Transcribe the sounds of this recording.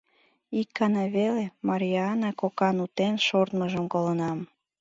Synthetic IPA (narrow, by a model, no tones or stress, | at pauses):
ikːɑnɑβelemɑɾʲiɑnɑkokɑnut̪enʃort̪məʒəmkolənɑm